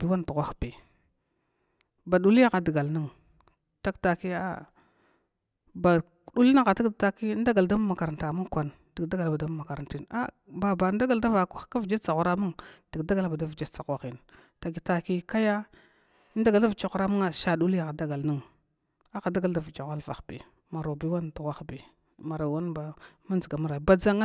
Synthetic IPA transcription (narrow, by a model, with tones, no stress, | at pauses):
bi˨wa˦n˨tu˨ɣʷa˦xbi˨ | ba˨du˨li˦a˦ɣa˨di˨ɡa˨lni˦ŋ | ta˦kta˨ki˦a̰˦ | ba˨ | du˦li˦na˦ɣa˨ta˦kta˦ki˦n˦da˦ɡa˨lda˦m˦ma˨ka˨ɾa˨nta˨mu˦ŋkʷa˨n | d̥i˨ɡda˦ɡa˨lba˨da˦m˦ma˨ka˨ɾa˨nti˦˨na̰˦ | ba˨ba˨˦n˦da˦ɡa˨lda˦va˨kʷa˦xka˦vi˨d͡ʒe˦t͡sa˨ɣu˨ɾa˦mu˦ŋd̥i˨kda˦ɡa˦lba˨da˦vi˨d͡ʒe˦t͡sa˨kʷa˦xi˨n˨ | ta˨ɡi˨ta˨ki˦ka˦ja˦ | nda˦ɡa˨˦a˦vi˨t͡ʃa˨xu˨ɾa˦ma˦ŋa˨ʃa˨du˦li˦ja˨xa˨da˦ɡa˨lni˦ŋ | a˦xa˨da˦ɡa˨lda˨vi˨t͡ʃa˨ɣʷa˦lva˨xbḭ˨ | ma˨ɾo˨bi˦wa˦n˨tu˨ɣʷa˦xbi˨ | ma˨ɾa˨wa˦nba˨ma˦nd͡zi˨ɡa˨ma˦ɾa˨ba˨d͡za˦ŋ˦